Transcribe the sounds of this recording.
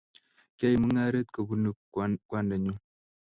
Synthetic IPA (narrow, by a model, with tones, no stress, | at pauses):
kʲa˦jmɨ˦ŋa˦ɾe˦t̪̚kə˨bu˦nu˦˨k̚kwa˦nda˨ɲu˦